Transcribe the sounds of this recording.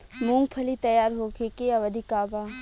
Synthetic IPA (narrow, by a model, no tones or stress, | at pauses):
mũŋɡpʰɐlit̪ɐjaːɾɦoːkekeɐʋɐd̪ʱikaːbaː